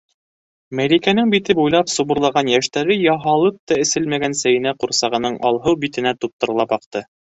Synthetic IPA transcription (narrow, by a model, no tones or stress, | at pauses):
mælikænɘŋbit̪ɘbujlˠɑpsuβɤ̆ɾlˠɑʁɑnjæʃt̪æɾɘjɑɦɑlˠɤp̚t̪ɑɘ̆sɘlmæɡænsæjɘ̆næquɾsɑʁɤ̆nɤɴʔɑ̰lˠɦɤwbit̪ɘ̆næt̪up̚t̪ɤ̆ɾlˠɑpɑqt̪ɤ